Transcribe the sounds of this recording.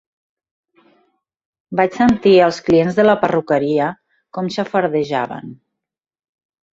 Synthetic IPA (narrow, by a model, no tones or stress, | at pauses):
bat͡ʃsənt̪iəlˠsklienzðələpərukəɾiə | kɔmsəfəɾðəʒaβə̰n